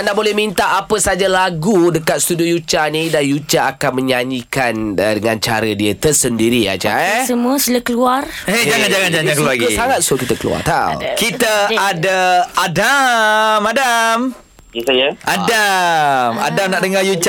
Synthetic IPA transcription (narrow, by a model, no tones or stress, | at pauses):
ndaʔbolɛhmint̪aʔapəsad͡ʒalaɡudəkat̪st̪udiojut͡ʃanidanjut͡ʃaːkanməɲaɲikanədəŋant͡ʃa̰ɾədiət̪ərsəndiɾia̰d͡ʒa̰səmũəsilakəluar | ed͡ʒaŋand͡ʒaŋand͡ʒaakəluaɡisaŋat̪̚sokit̪əkəlṵa̰rt̪awkit̪əadaadamadam | isajəada | ma̰damnaʔdəŋajut͡ʃ